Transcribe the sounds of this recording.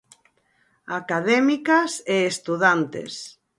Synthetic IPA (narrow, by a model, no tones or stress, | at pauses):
akaðɛmikaseest̪uðant̪ḛs